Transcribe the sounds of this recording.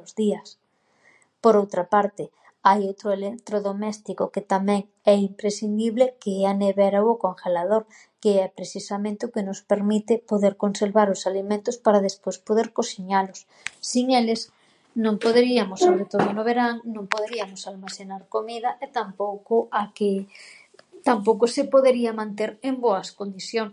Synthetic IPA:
zðiɐs | poɾowt̪ɾapaɾt̪ɪ | ajowt̪ɾoelek̚t̪ɾoðomɛst̪ikoket̪amɛ̃ŋ | ɛimpɾesind̪iβlekeaneβɛɾaokoŋxelað̞oɾ | keɛpɾesisamẽnt̪ɪʊkenʊspeɾmit̪epoðeɾkonseɾβaɾosalimẽnt̪ospaɾaðespwoespoðeɾkosiɲalʊsː | iŋeles | nõŋpoðeɾiamosːoβɾet̪oðonoβ̞eɾaŋnõŋpoðeɾiamosalmasenaɾkomiðaʔet̪ampowkoake | t̪ampowkosepoðeɾiamãnt̪eɾemboaskond̪iθjoŋ

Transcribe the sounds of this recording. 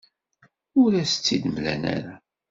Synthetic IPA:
ʊɾæsə̥t͡sːid̪əmlæ̰næ̰ɾa

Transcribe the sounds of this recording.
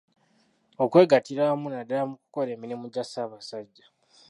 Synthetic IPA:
okwe̞ːɡatiɾaːmunadaːmuku̥ko̞le̞ːminimuɟasaːβasaɟːa

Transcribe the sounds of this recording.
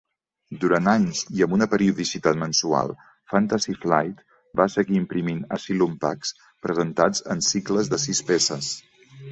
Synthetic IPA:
d̪uɾant̪aɲziəmbunəpəɾiuðisit̪at̪mənsua̰lˠ | fant̪azifla̰jt̪ | basəɣiːmpɾiminəsilumpa̰ks | pɾəzənt̪ad͡zə̰nsikləzðəsispesəs

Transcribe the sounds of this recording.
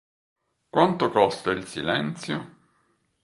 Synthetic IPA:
kwʔant̪okɔst̪ailsḭlɛnt̪sjo̰

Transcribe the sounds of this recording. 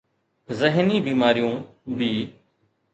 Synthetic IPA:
zəɦniːbiːmaːɾijõː | bʱiː

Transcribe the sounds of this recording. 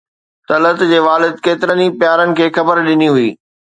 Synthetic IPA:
t̪ɐlət̪d͡ʑeːʋaːlɪd̪̚keːt̪ɪɾənipjaːɾənɪ̆kʰeːxɐbəɾɗɪniɦʊiː

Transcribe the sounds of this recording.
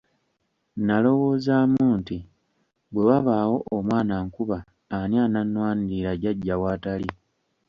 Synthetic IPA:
nalo̞wo̞ːzamunti | bwe̞waβaːwo̞ʔːmwaːnaŋkuβaː | niananwaːndiɾaɟaɟːawaːtali

